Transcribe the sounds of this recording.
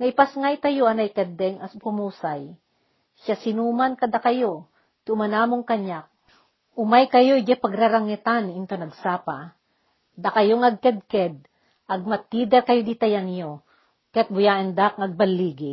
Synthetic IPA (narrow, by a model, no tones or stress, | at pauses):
nɐɪpasŋajt̪ɐjoʔɐnajkɛd̪ɛŋaspʊmuːsaj | ʃasɪnuːmankɐd̪akajo | t̪ɪʊmɐnaːmoŋkɐɲak̚ | ʊmajkɐjojd͡ʒɛpɐɡɾaɾaŋɛt̪anɪnt̪onɐɡsaːpa | d̪akɐjoŋɐɡ̚kɛd̪̚kɛd̪̚ | ʔɐɡ̚mɐt̪iːd̪ɛɾkɐjod̪it̪ɐjanjo | kajat̪̚bʊjaːʔɪnd̪ak̚ŋɐɡ̚bɐlːiːɡɪ